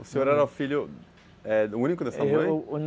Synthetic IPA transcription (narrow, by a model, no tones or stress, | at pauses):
ʊsẽɲoɾɛɾɐʊfiʎjʊ | ɛʊũnikʊd̪ɛsɐmɐ̃jn